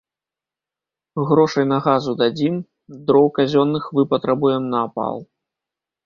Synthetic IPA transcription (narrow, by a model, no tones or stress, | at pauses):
ɣɾɔʂɐjnɐɣazud̪ad͡zʲim | d̪ɾɔwkazʲɔnːɨxvɨpɐt̪ɾabujɛmnɐːpa̰lˠ